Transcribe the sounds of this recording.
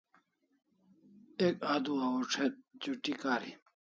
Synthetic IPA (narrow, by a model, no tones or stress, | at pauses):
ekaːd̪uɐuʈ͡ʂʰet̪̚d͡ʑuʈikaːɾḭ